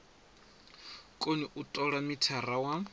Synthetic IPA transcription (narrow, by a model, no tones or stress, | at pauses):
kʼoniʔutʼɔɺamitʰarawa